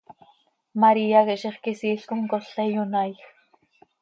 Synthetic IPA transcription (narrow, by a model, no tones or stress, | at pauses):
mɑɾiɑɣeʔʃiχkisiːɬkomkoɬejonɑjx